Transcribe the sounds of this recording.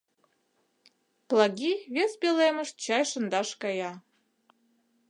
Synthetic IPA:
plˠɑɣʲiβespelemə̆ʃt̪̚t͡ɕɑjʃə̆nd̪ɑʃkɑjɑ

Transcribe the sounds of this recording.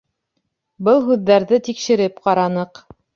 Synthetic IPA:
bɤlˠɦʉðːæɾðɘt̪ikʃɘ̆ɾɘpqɑɾɑnɤq

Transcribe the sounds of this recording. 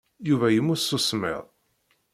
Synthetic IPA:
juvæjəmːʊsːusmɪ̰ðˤ

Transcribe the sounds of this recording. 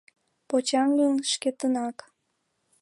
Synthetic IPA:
pot͡ɕɑŋɡənʃket̪ənɑk

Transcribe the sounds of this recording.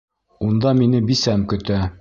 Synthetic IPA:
und̪ɑminɘbisæmkɵ̆t̪æ

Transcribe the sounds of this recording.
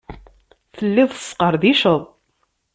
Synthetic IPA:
θəlːiðˤə̥sqəɾðiʃəðˤ

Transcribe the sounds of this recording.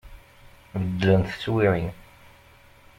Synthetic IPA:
vəd̪lənθə̥t͡sːwiʕin

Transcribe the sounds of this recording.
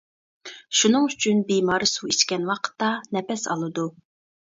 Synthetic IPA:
ʃunɨŋyt͡ʃʰynbimɑːɾɨsuit͡ʃkʲɛnwɑqʰə̥t̪ːɑnɛpɛsɑ̰lˠɨd̪u

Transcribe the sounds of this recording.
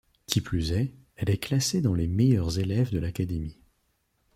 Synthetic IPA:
kʲiplyzɛ | ɛlɛklased̪ɑ̃lemɛjœʁzelɛvd̪əlakad̪emi

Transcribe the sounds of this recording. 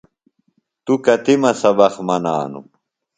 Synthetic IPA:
t̪ukɐt̪imɐsɐbɐχmɐna̰ːnṵ

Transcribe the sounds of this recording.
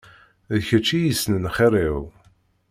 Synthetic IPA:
ðçæt͡ʃːijisnənχeɾˤiw

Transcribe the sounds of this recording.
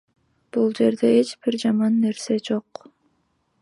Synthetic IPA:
b̥ulˠd͡ʒe̞ɾd̪e̞et͡ʃb̥iɾd͡ʒɑmɑnːe̞ɾse̞d͡ʒo̞q

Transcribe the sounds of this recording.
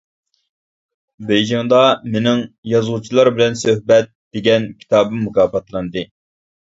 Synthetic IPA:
bejd͡ʒɪŋd̪ɑmenɪŋjɑzʁut͡ʃʰilˠɑɾbɪlɛnsøhbɛt̪̚d̥̪eɡʲɛnkʲʰi̥t̪ʰɑːbɨmːukʰɑːpɑt̪lˠɑnd̪ɨ

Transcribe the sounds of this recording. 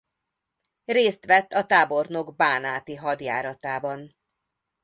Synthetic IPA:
reːst̪ʋɛt̪ːɒt̪aːbo̞rno̞ɡbaːnaːt̪iɦɒd̪ja̰ːɾɒt̪aːbɒn

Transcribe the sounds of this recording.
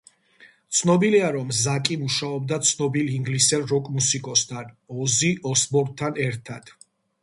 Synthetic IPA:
t̪sʰnɔbiliaɾɔmzakʼimuʃaɔbd̪at̪sʰnɔbiliŋɡlisɛɾɔkʼmusikʼɔst̪ʰanɔziɔsbɔɾdt̪ʰːanɛɾt̪ʰad̪̥

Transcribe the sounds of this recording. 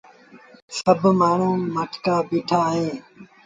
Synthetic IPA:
səbʱmaːɳ̤ũːməʈʰkaːbiːʈʰaːɦeː

